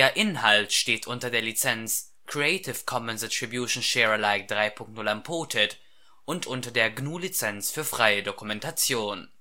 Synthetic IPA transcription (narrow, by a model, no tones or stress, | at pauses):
d̥eːɐʔɪnhaltʃteːtʔʊntɐdeːɐlit͡sɛnt͡s | kʁ̥iɛɪtʰɪfkʰɔmənzɛtʁ̥ibjuʃn̩ʃɛːʁəlaɪk̚d̥ʁaɪpʰʊŋk̚tnʊlampʰoːtʰɛt | ʔʊntʔʊntɐdeːɐɡnuːlit͡sɛnsfyːɐfʁ̥aɪədokumɛntat͡sjoːn